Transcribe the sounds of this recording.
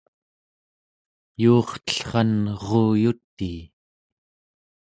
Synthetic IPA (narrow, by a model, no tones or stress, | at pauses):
juːχt̪ə̥ɬχɑnʁoːjut̪ːiː